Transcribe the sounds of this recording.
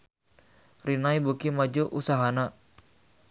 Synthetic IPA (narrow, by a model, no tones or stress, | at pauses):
rinaibukimad͡ʒuʔusaɦana